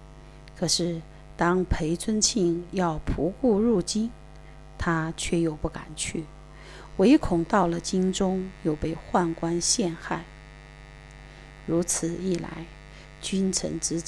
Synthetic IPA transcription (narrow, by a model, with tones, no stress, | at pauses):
kʰɤ˨˩ʂɻ̩˥˩ | t̪ɑ˥ŋpʰe˧˥ɪt͡sʰwə˥nt͡ɕʰi˥˧ŋjɑ˥˩ʊpʰu˧˥ku˥˧ɻu˥˩t͡ɕi˥n | t̪ʰa˥t͡ɕʰɥɛ˥˩jo˨˩ʊpu˥˩ka̰˨˩nt͡ɕʰy˥˩ | we˧˥ɪkʰʊ˨˩ŋt̪ɑ˥˩ʊlə˩t͡ɕi˥nʈ͡ʂʊ˥ŋjo˨˩ʊpe˥˧ɪxwa˥˩nkwa˥nɕjɛ˥˧nxa˥˩ɪ | ɻu˧˥t͡sʰɹ̩˨˩i˥˩la̰˧˥ɪ | t͡ɕy˥nʈ͡ʂʰə̰˧˥ŋʈ͡ʂɻ̩˧˥